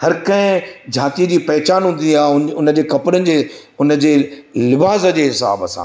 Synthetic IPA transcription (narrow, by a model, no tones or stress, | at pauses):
hɐɾkɐ̃ɦɪ̃d͡ʑʱaːt̪iəd͡ʑiːpɐɦɪt͡ɕaːnɦũnd̪ĩniaːɦʊnʊnə̆d͡ʑeːkɐpɾənɪ̆d͡ʑeːʊnə̆d͡ʑeːlɪbaːzəd͡ʑeːɦɪsa̰ːbɐsã̰